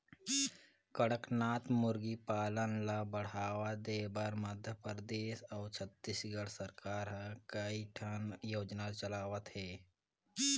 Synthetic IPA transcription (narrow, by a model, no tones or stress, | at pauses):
kəɽəknaːt̪mʊɾɡipaːlənlabəɽ̤aːʋad̪eːbaɾməd̪ʱjəpɾəd̪eːʃɔːt͡ʃʰət̪ːisɡəɽsəɾkaːɾɦɛkəiʈʰənjoːd͡ʒnat͡ʃəlaːʋət̪ɦɛː